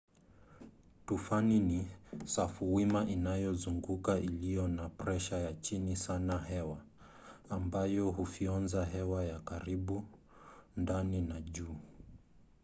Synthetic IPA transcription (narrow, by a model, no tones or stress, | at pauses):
tufaninisafuwimaʔinajɔzuŋɡukaʔilijɔnapɾɛʃajat͡ʃinisanahɛwaː | mbajɔɦufiɔnzaɦɛwajakaɾiɓu | ndaninaʄuː